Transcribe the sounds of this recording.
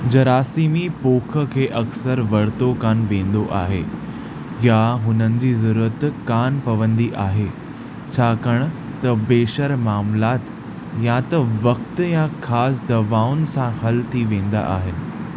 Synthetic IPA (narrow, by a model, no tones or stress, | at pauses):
d͡ʑɐɾaːsiːmipoːkʰə̆kʰeːʔɐksəɾʋɐɽ̤t̪okaːnʋẽːn̆d̪oʔa̰ːɦeː | jaɦʊnənɪ̆d͡ʑiːzɐɾuːɾət̪kaːnpɐʋə̃nd̪iʔaːɦe | t͡ɕʰaːkɐɽ̃̆ | t̪ɐbeːʃəɾmaːmlaːt̪ | jat̪ɐʋɐk̚t̪jãkʰaːsd̪ɐʋaːʊnɪ̆sãhɐlt̪ʰiʋẽːn̆d̪a̰ʔaːɦɪnɪ̆